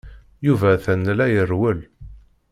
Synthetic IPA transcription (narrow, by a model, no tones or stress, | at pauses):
juvæθənːlæjərwəl